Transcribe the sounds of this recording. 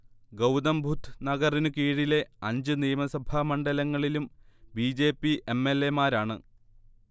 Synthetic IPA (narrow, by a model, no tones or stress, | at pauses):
ɡɐwd̪ɐmbʱut̪nɐɡɐrinɨkiːɻile̞ɐɲd͡ʑɨnijɐmɐsɐbʱɐmɐɳɖɐlɐŋːɐɭilumbiːd͡ʑe̞ːpːiʔemːe̞lːe̞maːɾaːɳɨ